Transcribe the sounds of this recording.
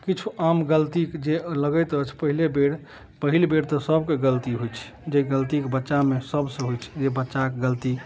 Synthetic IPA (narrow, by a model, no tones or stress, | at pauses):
kit͡ʃʰuamɡəlt̪ikd͡ʒeləɡəjt̪ət͡ʃʰpəɦilebeɽ | pəɦilbeɽt̪ɔsəbkeɡəlt̪iɦojt͡ʃʰ | d͡ʒeɡəlt̪ikbətːʃamesəbsə̃ɦojt͡ʃʰd͡ʒebətːʃakeɡəlt̪i